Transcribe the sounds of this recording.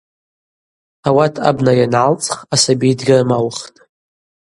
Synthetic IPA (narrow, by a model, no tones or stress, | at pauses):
awatʰa̰bnajanʕalt͡sʼχasabijdɡʲarmalχtʼ